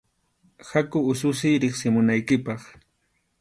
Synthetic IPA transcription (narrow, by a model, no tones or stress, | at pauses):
hakʊʊs̬ʊsɪjɾɪχsɪmʊnajkɪpɑχ